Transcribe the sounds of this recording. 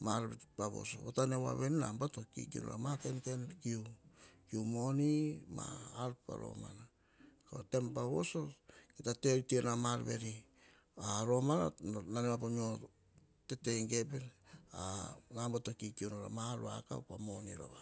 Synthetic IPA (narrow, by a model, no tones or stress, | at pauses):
maɾbepaβo̞̰so̰βotanewa̰βe̞ninambatokḭkiṵno̰ɾa̰matenkenkiukiumo̞nimaːlpa̰ɾo̞̰ma̰na | ko̰te̞mpaβo̞̰so̞ketate̞ɾitienamaɾbe̞ɾi | aɾo̞mana̰nanewapomio | te̞te̞ŋɡe̞penanambatokikiunoɾa̰maɾua̰ka̰pamo̞nḭɾa̰βa